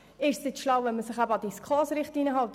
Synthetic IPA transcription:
ɪʃsnɪtʃlɑwʋɛnməsəχæbəɑd̥iskʰɑːsɾɪχtiːnəɦɑltə

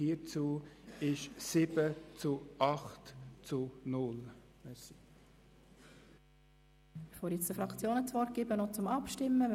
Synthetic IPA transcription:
it͡suːɪʃsɪbət͡suɑχtt͡sunʊl | mɛsi | ɪχʋɔljɛt͡sd̥əfɾɑkt͡sjoːnət͡svɔɾt̚ɡ̥ɪːbənot͡sʊmɑpʃtɪmːə

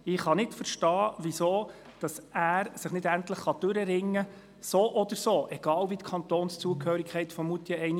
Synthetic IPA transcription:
ɪχhɑnɪtfəɾʃtɑːʋisoː | d̥ɑsæːɾsəχnɪdæntləχχɑd̥ɵɾəɾɪŋːə | soːʔɔd̥̪əɾsoːʔɛɡ̥ɑːlvitkʰɑnt̪oːnst͡suəkhøːɾikʰχɛɪtfɔmut̪iəɛɪn

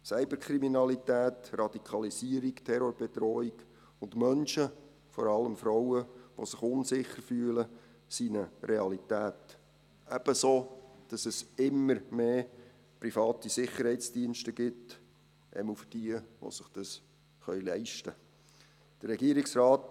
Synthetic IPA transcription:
sɛɪbəɾkʰɾiminɑlitæːtrɑd̥ikʰɑlisiəɾiktʰɛɾoɾb̥ɛtɾɔːik | ʊndmœnʃə | fɔ̰ɾɑləmfɾaʊəʋo̰sɪχʊnsɪχərfyːələ | sinəreɑlitæːt̪ | æb̥əsoːd̥ɑsɛsɪmːəɾmeː | prifɑːtisɪχːəɾhɛɪt͡sd̥iənʃtəɡ̥ɪt | ʔɛ̰mufd̥iəʋo̰sɪχd̥ɑs | χœʏlɛɪʃtə | d̥ərɛɡiəɾiksraːt

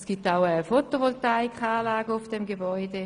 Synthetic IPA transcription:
sɡ̥ip̚t̪aʊəfotoʋɔltaɪkχaːlaːɡəʊfd̥ɛmɡebɔʏde

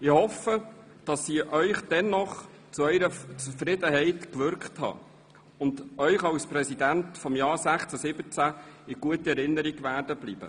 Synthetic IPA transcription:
ɪhɔfə | d̥ɑsːiːʔœʏχd̥ɛnːɔχ | t͡suœʏɾət͡sufrɪdəɦɛɪtkʋʏɾkχthɑ̰ː | ʊndœʏχɑwsprɛsid̪æntfɔmjɑːɾsæχt͡sæsɪbət͡sæɪɡ̥uətəɛɾɪnːəɾiɡʋæːɾdəb̥liːb̥ə̰

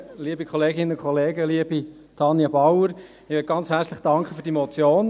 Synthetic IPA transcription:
liːəbikʰχɔleːɡɪnənʊnkχʰɔleːɡəliəbi | t̪ʰɑnjəbɑwəɾ | ɪʋet̚ɡ̥ɑnt͡shæɾt͡slɪχd̥ɑŋkχəfyːɾdimɔt͡sjoːn

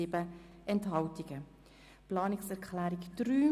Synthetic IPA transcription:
ɪbə | ʔɛntɦɑltɪɡ̥ə | plɑːnɪksɛʁkʰχlæːɾɪkd̥ɾyː

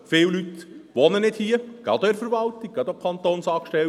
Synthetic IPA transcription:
fɪwlyt̪ʋɔnənɪd̥hiːəɡ̥ɑ̰d̪oɛɾfəɾʋɑlt̪ik̚ɡɑd̪okʰɑnt̪oːnsɑːkʃtɛl

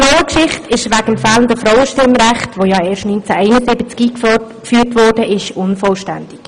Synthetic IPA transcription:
rɔʊwəkʃɪχtɪʃʋæɡ̥əmfɛːləndəfɾɔwəʃtɪmɾɛχtʋojɑːeːʃtnynt͡sɛʔɛɪnəzɪbət͡skiːkfyːrtʋɔrdəʔɪʃʊnfɔlʃtɛnd̥ɪk

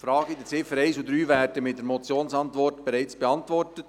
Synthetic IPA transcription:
fɾɑːɡid̪ət͡sɪfəɾɛɪsud̪ɾyːvæːɾdəmɪt̚dəɾmɔt͡sjoːnsɑntʋɔrtb̥eɾæɪt͡sb̥eɑntʋɔrtət

